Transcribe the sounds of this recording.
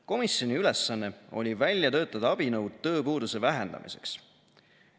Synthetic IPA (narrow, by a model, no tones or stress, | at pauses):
ko̞misjo̞nʲiyle̞sːɑnːe̞o̞̰lʲivælʲjɑt̪ø̞ːt̪ːˑɑd̪̥ɑɑb̥inɤwd̪̥̚t̪ɤːpuːd̪use̞væɦe̞nd̪ɑ̰mḭse̞̥̰ks